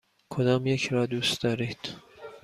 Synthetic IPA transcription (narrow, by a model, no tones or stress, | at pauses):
kʰod̪ɒːmjecʰɾɒːd̪uːst̪d̪ɒːɾid̪̥